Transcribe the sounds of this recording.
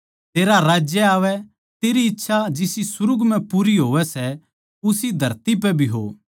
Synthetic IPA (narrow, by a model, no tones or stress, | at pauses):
t̪eːɾaɾaːd͡ʒjɛaːʋɛ | t̪eːɾiɪtːʃʰad͡ʒɪsisʊɾʊɡm̤ɛ̃puːɾiɦoːʋɛsɛ | ʊsid̪ʱɐɾt̪ip̬ɛbʱiɦo̰ː